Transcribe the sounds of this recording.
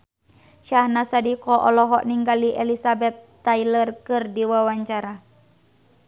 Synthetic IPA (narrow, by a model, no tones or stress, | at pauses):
ʃahnasadikɔʔɔlɔɦɔ̰ʔniŋɡaliʔɛlisabɛt̪ːailərkɨrdiwawaɲt͡ʃaɾa